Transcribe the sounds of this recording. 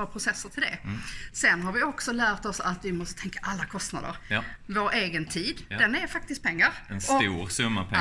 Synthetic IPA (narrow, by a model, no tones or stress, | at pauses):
ɑpʰɾʊsɛsːəʈ̪ʰɪld̪ɛ̰sɛnːɦaɾvɪɔksɔlæːɾt̪ɔsat̪vɪmɔst̪ət̪ʰɛŋkḁʔalːakʰɔst̪na̰d̪ə̰ɾvoɾʔeːɡənt̪ʰiːd̪d̪̥ɛnɛɾfak̚t̪ɪst̪̚pʰɛŋːaɾɛnsɔuːɾsɵmːapʰɛ